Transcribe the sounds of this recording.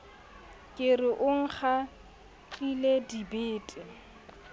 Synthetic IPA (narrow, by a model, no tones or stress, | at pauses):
kʼɪrɪʔʊŋ̩χʰa | t͡ɬʼiledibeːtʼɪ